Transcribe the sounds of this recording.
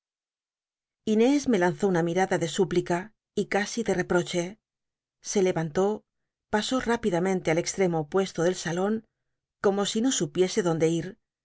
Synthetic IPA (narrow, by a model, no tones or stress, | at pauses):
ine̞zme̞lan̟θo̞unamiɾaðaðe̞suplika | ikasiðe̞re̞pɾo̞t͡ʃe̞ | se̞le̞βant̪o̞ | paso̞rapiðamẽ̞nt̪e̞ale̞kst̪ɾe̞mo̞pwe̞st̪oðe̞lsalo̞ŋ | ko̞mo̞sino̞supje̞se̞ðo̞nd̪e̞iɾ